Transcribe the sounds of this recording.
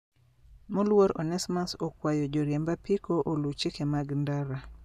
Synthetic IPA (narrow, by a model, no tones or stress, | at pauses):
mɔlwoɾɔnɛsmasokwajod͡ʒɔɾjɛmbapikoʔolut͡ʃikemaɡndaɾa